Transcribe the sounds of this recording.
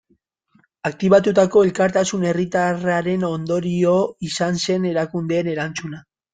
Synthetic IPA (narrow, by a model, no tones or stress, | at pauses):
ak̚t̪iβat̪ut̪ako̞e̞lkaɾt̪asune̞rit̪araɾe̞no̞nd̪o̞ɾio̞isanse̞ne̞ɾakund̪e̞ːne̞ɾant͡suna